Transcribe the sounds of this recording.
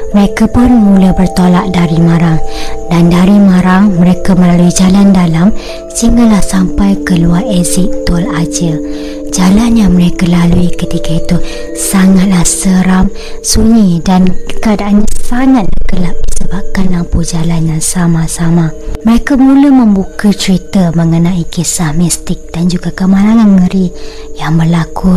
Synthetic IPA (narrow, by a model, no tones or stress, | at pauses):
məɾekapʊnmuləbərt̪olaʔ̚daɾimãɾaŋdandaɾimaɾaŋməɾekaməlaluid͡ʒalandalam | siŋalahsampajkəluaresɪk̚t̪ɔlad͡ʒə | d͡ʒalanjaməɾekalaluikət̪ikait̪u | saŋat̪̚lahsəɾam | suɲidankəadaʔanɲasaŋat̪̚lahkəlaʔ̚disəbap̚kanlampud͡ʒalanjaŋsamasamaməɾekamũləməmbukat͡ʃɾit̪əməŋənãikisahmist̪ɪk̚d̥and͡ʒuɡakəmãlaŋamŋəɾi | jaŋməlakʰu